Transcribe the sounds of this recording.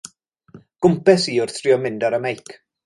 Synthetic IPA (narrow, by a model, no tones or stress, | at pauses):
ɡ̥ʊmpɛsiːʊrθr̥ɪɔmɪndɔɾəmejkʰ